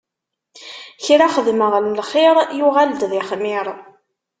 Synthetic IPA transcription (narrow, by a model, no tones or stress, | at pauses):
çɾaχəðməʁlmlχeɾˤjuʁald̪ðɪχmɪɾˤ